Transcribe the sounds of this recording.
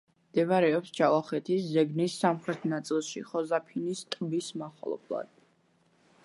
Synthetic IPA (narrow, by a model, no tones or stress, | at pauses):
md̪̥ɛvaɾɛɔpsd͡ʒalˠaχɛt̪ʰiszɛɡnisːamχɾɛt̪ʰnat̪sʼilˠʃḭχɔzapʰinist̪ʼbismaχɔ̰lˠɔ̰bʰlˠa̰d̪̥